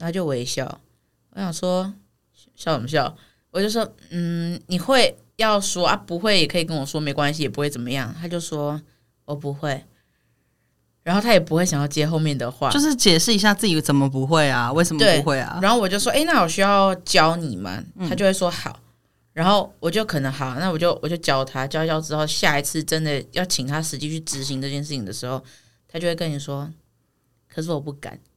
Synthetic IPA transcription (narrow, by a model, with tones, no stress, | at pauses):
a˥t͡ɕjo˥˩ʊwe˧˥ɪɕjɑ̰˥˩ʊ | wɔ˧˩ɕjɑ˨˩ŋʂwɔ˥ | ɕjɑ˥˩ʊwɔ˨˩m˧ɕ̬jɑ˥˩ʊ | wɔ˨˩t͡ɕjo˥˩ʊʂwɔ˥n̩˥˩ni˨˩xwe˥˧ɪ | jɑ˥˩ʊswɔ˥ʔa˥˩pu˧˥xwe˥˩ɪjɛ˨˩kʰɤ˧˥i˨˩kə˥nwɔ˨˩ʂwɔ˥me˧˥ɪkwa˦nɕ̬i˧˨jɛ˨˩pu˧˥we˥˩t͡sə˨˩nmə˦jɑ˥˩ŋt̪ʰa˥t͡ɕjo˥˩ʊʂwɔ˥ | wɔ˨˩pu˧˥xwe˥˩ɪ | ɻa˧˥nxo˥˩ʊt̪ʰa˥jɛ˨˩pu˧˥xwe˥˩ɪɕjɑ˨˩ŋjɑ˥˩ʊt͡ɕjɛ˥xo˥˧ʊmjɛ˥˩nd̪ə˩xwa̰˥˨jo˥˧ʊʂɻ̩˥˩t͡ɕjɛ˨˩ʂɻ̩˥˩i˧˥ɕja˥˧t͡sɹ̩˥˩t͡ɕi˨˥t͡sə˨˩nmə˦pu˧˦xwe˥˩ɪa˩we˥˩ɪʂə˨˩mt̪əwe˥ɪ˧˥xwe˥˩ɪɐ̰˨˩a˧˥nxo˥˩ʊwɔ˨˩t͡ɕjo˥˧ʊʂwɔ˥ʔe˥˧ɪna˥˩wɔ˨˩ɕy˥jɑ˥˩ʊt͡ɕjɑ˦˥ʊni˨˩ma̰˩˦t̪ʰa˥t͡ɕo˥˧ʊxwe˥˩ʂwɔ˥xɑ˨˩˦ʊ | ɻa˧˥nxo˥˩ʊwɔ˨˩t͡ɕjo˥˩ʊkʰɤ˨˩nə˧˦ŋxɑ˨˩ʊna˥˩wɔ˨˩t͡ɕjo˥˩ʊwɔ˨˩t͡ɕjo˥˧ʊt͡ɕjɑ˦˥ʊt̪ʰa˥t͡ɕjɑ˥t͡ɕjɑ˥ʊʈ͡ʂɻ̩˥xo˥˧ʊɕja˥˩i˨˧t͡sʰɹ̩˥˩ʈ͡ʂə˦nd̪ə˨jɑ˥˩ʊt͡ɕʰi˨˩ŋt̪ʰa˥ʂɻ̩˧˥t͡ɕi˥t͡ɕʰy˥˩ʈ͡ʂɻ̩˧˥ɕi˧˥ŋʈ͡ʂɤ˥˧t͡ɕʰjɛ˥˧nʂɻ̩˥˩t͡ɕʰi˨ŋd̪ə˩ʂɻ̩˧˦˥xo˥˩ʊ | t̪ʰa˥t͡ɕjwe˥˧kə˥ni˨˩ʂwɔ˥ | kʰɤ˨˩ʂɻ̩˥˩wɔ˨˩pu˥˩ka̰˨˩˦n